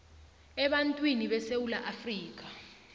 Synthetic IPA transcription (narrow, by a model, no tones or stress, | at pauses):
ɛɓantʼwiniɓɛsewulaʔafriːk̬ʼḁ